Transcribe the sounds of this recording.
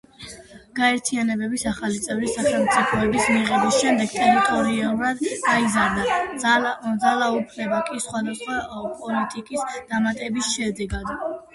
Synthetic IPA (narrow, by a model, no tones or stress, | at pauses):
ɡ̥aɛɾt̪ʰianɛbɛbisaχalit̪sʼɛvɾisaχɛlˠmt̪sʼipʰɔɛbismiʁɛbisʃɛmd̪ɛɡ̚t̪ʼɛɾit̪ʼɔɾialˠuɾad̪ɡaizaɾd̪a | d̪zalˠaupʰnɛbakʼisχwad̪asχwapʼɔlit̪ʼikʼisd̪̥amat̪ʼɛbisʃɛd̪ɛɡad̪